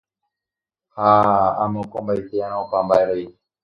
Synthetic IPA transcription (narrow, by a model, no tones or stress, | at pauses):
haamẽokombajt̪eãñãopambaeɾei